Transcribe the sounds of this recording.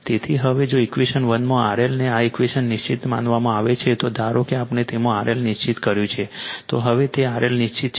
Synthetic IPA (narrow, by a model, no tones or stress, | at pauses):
t̪et̪ʰiɦəʋed͡ʒoikʋiʃənʋənmõaɾelneaikʋiʃənːɪʃt͡ʃit̪mã̰nʋamãaʋet͡ʃʰet̪od̪ʱaɾokeapnet̪emũaɾʔelnɪʃt͡ʃit̪kəɾjũt͡ʃʰet̪oɦəʋet̪eaɾʔelnɪʃt͡ʃit̪̚t͡ʃʰ